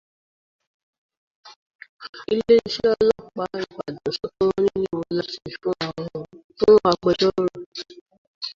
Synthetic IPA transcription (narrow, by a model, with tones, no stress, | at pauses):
i˧le˦i˧ʃe˦ɔ˧lɔ˦˨k͡pa˦i˨k͡pa˨dɔ̃˨sɔ˨˦to˦ɾo˦nĩ˦nĩ˦o˧la˦ti˦˨fũ˦a˧w̃ɔ̃˧tũ˦a˧ɡ͡bɔ˧d͡ʒɔ˦ɾo˦˨